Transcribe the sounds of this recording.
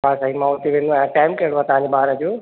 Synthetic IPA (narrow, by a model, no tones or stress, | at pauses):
ãsãːimãɦʊt̪eʋẽːnd̪ũjãʈaːɪmkɐɪɽ̃oaːt̪ɐʋãɲd͡ʑebaːɾəd͡ʑoː